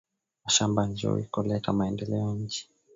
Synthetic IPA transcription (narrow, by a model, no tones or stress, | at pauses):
maʃamband͡ʒṵɾḭkɔlɛtamaɛndɛlɛɔɲ̩d͡ʒi̥